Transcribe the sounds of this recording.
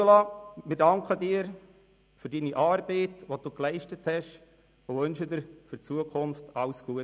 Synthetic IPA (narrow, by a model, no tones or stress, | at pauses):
olɑmɪɾdɑŋkχədiːəɾ | fyɾdiniʔɑːɾb̥ɛɪtʋod̥uːklɛɪʃtəthɛʃ | oʋønʃəd̪əɾfʏɾt͡suəkʰʊnftɑʊsɡ̥uə